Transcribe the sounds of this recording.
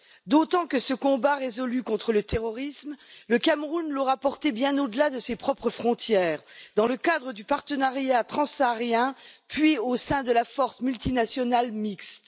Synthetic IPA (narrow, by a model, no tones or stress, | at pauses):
d̪ot̪ɑ̃kəsəkɔ̃baʁezɔlykɔ̃t̪χələt̪eʁɔʁismləkamʁunlɔʁapɔʁt̪ebjɛ̃nod̪əlad̪əsepχɔpχəfχɔ̃t̪jɛːʁd̪ɑ̃ləkad̪ʁəd̪ypaʁt̪ənaʁjat̪χɑ̃saʁjɛ̃pɥiosɛ̃d̪əlafɔʁsmylt̪inasjɔnalmikst̪